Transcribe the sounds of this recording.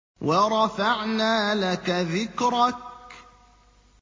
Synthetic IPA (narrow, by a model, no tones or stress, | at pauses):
wʔɑɾˤɑfaʕnaːlakaðɪkɾˤak̚